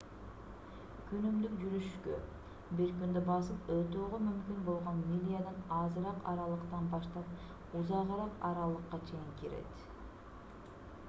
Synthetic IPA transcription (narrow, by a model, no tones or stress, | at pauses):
kʰynymd̪ykd͡ʒyɾyʃkø̰ | biɾkynd̪øbɑs̬ɯpøt̪øːʁømymkynbo̞lˠʁo̞nmʲilʲijad̪ɑnɑzɨɾɑqɑɾɑlˠɯqt̪ɑnbɑʃt̪ɑp̚ | uzɑʁɯɾɑqɑɾɑlˠɯqːɑt͡ʃʰe̞jiŋkiɾe̞̰t̪